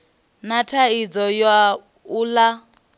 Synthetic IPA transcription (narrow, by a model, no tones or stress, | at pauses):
natʰaid͡zɔjwa | ula